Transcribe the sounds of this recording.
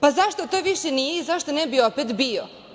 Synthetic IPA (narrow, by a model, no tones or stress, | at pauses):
pazaʃt̪o̞t̪oʋiʃenijeizaʃt̪onɛbiopet̪bio